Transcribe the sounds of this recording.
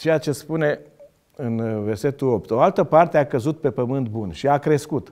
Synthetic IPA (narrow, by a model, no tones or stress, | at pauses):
t͡ʃe̞jat͡ʃe̞spune̞ | ɨnve̞rse̞t̪uo̞p̚t̪o̞alt̪əpart̪eakəzut̪̚pe̞pəmɨnt̪̚bunʃiakɾe̞skut̪